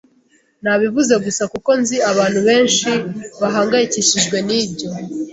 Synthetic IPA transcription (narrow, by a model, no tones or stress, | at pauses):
naβivuze̞ɡusakuko̞nziaβaːn̥huβe̞ːnʃiβaɦaːŋɡajiciʃiʒɡwe̞niːbɟo̞